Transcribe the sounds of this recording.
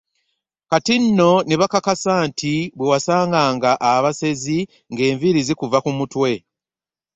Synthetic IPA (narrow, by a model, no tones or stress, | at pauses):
katinːo̞neβakakasaːntʰiβwewasaːŋɡaːŋɡaʔaβase̞zi | ŋɡe̞ːɱviɾizikuvakumutwe̞